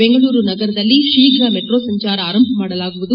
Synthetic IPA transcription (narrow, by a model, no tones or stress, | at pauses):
beŋɡɐɭuːɾunɐɡɐɾɐd̪ɐlːiʂiːɡɾɐmeʈɾoːsɐɲt͡ʃaːɾɐaːɾɐmbʱɐmaːɽɐlaːɡuʋud̪u